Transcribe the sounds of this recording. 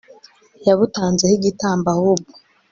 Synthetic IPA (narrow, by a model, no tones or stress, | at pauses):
jaβutaːnzehiɟitaːmbahubu